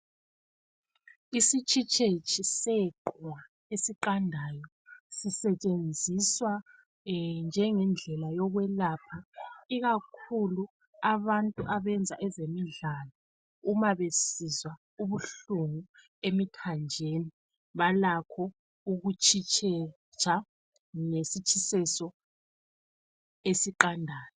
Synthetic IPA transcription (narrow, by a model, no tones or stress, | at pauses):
isit͡ʃʼit͡ʃʼet͡ʃʼisɛǃwa | esiǃandʱajɔ | sisɛt͡ʃʼend͡zʱiswa | nd͡ʒʱɛŋɛnd͡ɮʱɛlajɔɣwɛlaːpʰaiɣakʰulu | aβantʼuʔaβɛnd͡zʱaʔɛzemiɮalɔ | umaβesizwa | uβuɬuŋu | emikʰand͡ʒʱeni | βalakʰɔ | uɣut͡ʃʰʼit͡ʃʰʼɛ | t͡ʃʰʼa | ŋesit͡ʃʼʰisɛsɔ | esiǃandʱaːjɔ